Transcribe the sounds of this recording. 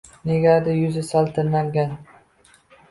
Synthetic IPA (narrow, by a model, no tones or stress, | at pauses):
neɡʲad̪ɪjʊzɪsalˠt̪ʰɪɾnaŋɡʲan